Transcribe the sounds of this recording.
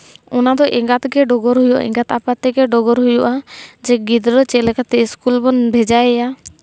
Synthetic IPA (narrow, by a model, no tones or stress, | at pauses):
ɔnad̪ɔʔɛŋɡat̪ɡɛɖɔɡɔɾɦujɔʔa̰ɛ̰ŋɡat̪apat̪ɛɡɛɖɔɡɔɾɦujɔʔad͡ʒɛɡid̪ɾɔt͡ʃɛlɛkat̪ɛiskulbɔnbʱɛd͡ʒaɛja